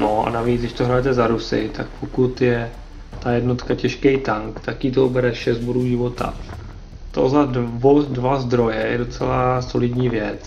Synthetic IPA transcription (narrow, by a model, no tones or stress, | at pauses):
nʔoa̰naviːt͡sdɪʃt̪oɦɾajɛt̪ɛzaɾusɪ̰t̪ʰak̚pʰokut̪jɛ | t̪ajɛdno̞t̪kacɛʃkɛjt̪aŋkt̪akiːt̪oubɛɾɛʃɛzd̪̚boduːʒɪvo̞t̪a̰ | t̪o̞̰zadvodvazd̪ɾo̞jɛjɛdo̞t͡sɛlaso̞lɪdɲiːvjɛt͡s